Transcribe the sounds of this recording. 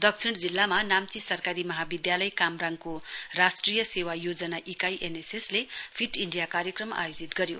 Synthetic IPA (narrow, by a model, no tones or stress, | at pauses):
d̪ʌkt͡sʰiɽ̃d͡zilːamanamt͡sisʌrkaɾimʌɦabid̪jalʌjkamraŋɡkorasʈrijʌsewajod͡zʌnaʔikajʔeneseslepʰiʈiɳɖijakaɾjʌkrʌma̰jod͡zit̪ɡʌɾjo